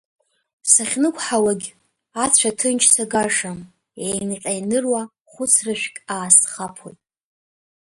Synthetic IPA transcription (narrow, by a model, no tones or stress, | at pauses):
saχʲnɨkʷʰʼħawaɡʲ | at͡ɕʷʰatʰɨnt͡ʃʰsaɡaʂam | ejnqʲʼajnɨrwa | χʷʊt͡sʰrɨʃʷᶣkʲʼaːsχapʰo̰jtʼ